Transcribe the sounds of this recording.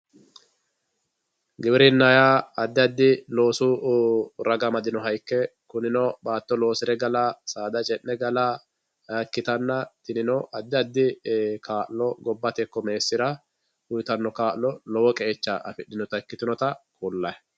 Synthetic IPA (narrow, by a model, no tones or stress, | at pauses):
ɡɪbɪɾɪnːajaɐd̪ːɪɐd̪ːɪlo̞ːsu | ɾɐɡɐmɐd̪ɪnɔɦɐjkːɛkʊnɪnɔbaːt̪ːɔlo̞ːsɪɾɛɡɐlasaːd̪ɐt͡ʃʼɛnːɛɡɐla | kːɪt̪ɐnːɐt̪ɪnɪnɔɐd̪ːɪɐd̪ːɪkʰaːʔlɔɡɔbːɐt̪ɛkːɔmeːsːɪɾɐ | ʊjt̪ɐnːɔkaːʔlɔlɔwɔkʼɛɛt͡ʃːaʔɐfɪɗːɪnɔt̪ɐkːɪt̪ɪnɔt̪ɐkulːɐj